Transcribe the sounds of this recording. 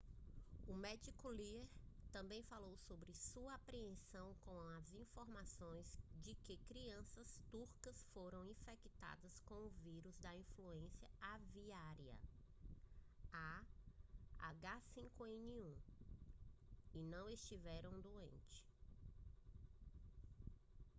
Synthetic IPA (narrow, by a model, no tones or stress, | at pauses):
ʊmɛd͡ʒikʊlieɾt̪ɐ̃mbẽj̃falowsobɾɪsuɐapɾiẽsɐ̃w̃kõɐzĩfoɾmasõj̃zd͡ʒɪkɪkɾiɐ̃sɐst̪uɾkɐsfoɾɐ̃w̃ĩfɛkit̪a̰d̪ɐskõw̃ʊviɾuzd̪ɐĩfluẽsjɐaviaɾiɐ̰ | a | a̰ɡasĩkʊẽniũ | ɪnɐ̃w̃est͡ʃivɛɾɐ̃w̃d̪uḛ̃nt͡ʃɪ̥